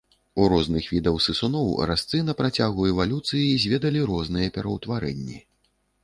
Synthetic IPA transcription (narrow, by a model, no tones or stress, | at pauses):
uɾɔznɨxvʲid̪ɐwsɨsunɔwɾast̪sɨnɐpɾat͡sʲaɣuɛvalʲut̪sɨjizʲvʲɛd̪ɐlʲiɾɔznɨjɐpʲɛɾɐwt̪vaɾɛnʲːi